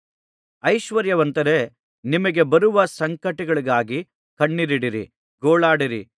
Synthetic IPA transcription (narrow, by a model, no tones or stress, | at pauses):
ɐjʃʋɐɾjɐʋɐnt̪ɐɾe̞ | nimɐɡe̞bɐɾuʋɐsɐŋkɐʈiɡɐɭiɡaːɡi | kɐɳːiɾiɽiɾḭ | ɡoːɭaːɽiɾḭ